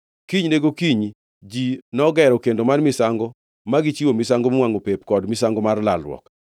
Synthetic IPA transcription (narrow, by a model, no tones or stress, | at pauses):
kiɲneɡokiɲ | d͡ʒinɔɡɛɾɔkendomanmɪsaŋɡɔ | maɡɪt͡ʃiwomɪsaŋɡomwaŋopepkɔdmɪsaŋɡɔmarlalwɔ̰k